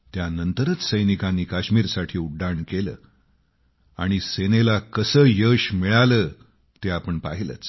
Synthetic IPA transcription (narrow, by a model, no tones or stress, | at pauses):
t̪janənt̪əɾət͡ssəjnikanːiːkaɕmiːɾsaʈʰiːuɖːaɳkelə̰ː | a̰ɽ̃isenelakəsəːjəɕmiɭaləː | t̪eapəɳpa̰ɦilə̰t͡s